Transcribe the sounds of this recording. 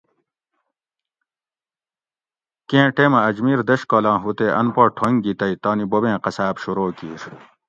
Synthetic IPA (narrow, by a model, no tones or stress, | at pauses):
kẽːʈeːmɐɐd͡ʑmiːɾd̪ɐɕkoːlãːɦut̪eʔɐnpoʈʰoŋɡit̪ɐit̪oːnibobẽːqɐsaːbɕuɾoːkiːɾ